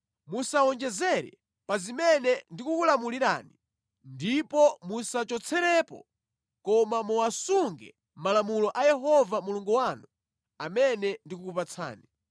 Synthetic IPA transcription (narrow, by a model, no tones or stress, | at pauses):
musaɔnd͡ʒɛzɛɾɛ̰ | pazimɛnɛndikukulamuliɾa̰ːni | ndipɔmusat͡ʃɔt͡sʰɛɾɛpɔ̰ | kɔmamuwasuŋɡɛ̰ | malamulɔʔajɛɦɔvamuluŋɡuwanu | amɛnɛndikukupat͡sʰa̰ːni